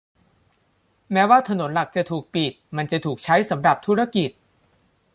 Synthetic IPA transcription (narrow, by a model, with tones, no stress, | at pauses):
mɛː˦˥waː˥˩t̪ʰa˧no˩˦nla˨˩k̚t͡ɕa˨˩t̪ʰuː˨˩k̚pi˨˩t̪̚ma˧nt͡ɕa˨˩t̪ʰuː˨˩k̚t͡ɕʰa˦˥jsa˩˦mɾa˨˩p̚t̪ʰu˦˥ɾa˧ki˨˩t̪̚